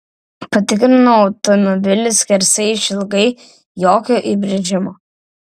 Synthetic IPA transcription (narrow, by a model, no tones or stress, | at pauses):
pɐt̪ʲɪkɾʲɪnoɔʊt̪ɔmɔbʲɪlʲɪskʲɛɾʲsʲɛɪʃɪlˠɡɐɪ | joːkʲoːʔibʲɾʲɪd͡ʒʲɪmoː